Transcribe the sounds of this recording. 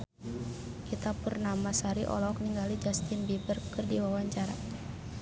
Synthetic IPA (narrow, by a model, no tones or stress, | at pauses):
kit̪apurnamasaɾiʔɔ̰lɔk̚niŋɡalid͡ʒast̪imbibərkːɨrdiwawaɲt͡ʃaɾa̰